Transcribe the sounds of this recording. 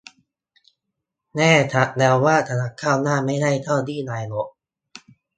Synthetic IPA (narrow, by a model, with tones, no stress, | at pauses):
nɛː˥˩t̪ʰa˨˦˥t̪̚dɛː˧wwaː˥˩t̪ʰa˧na˧˥kʰːaː˥˩wnaː˥˩ma˥˩jda˥˩jt̪ʰa˥˩wd̪iː˥˩naː˧jnɔ˨˦˥ʔ̚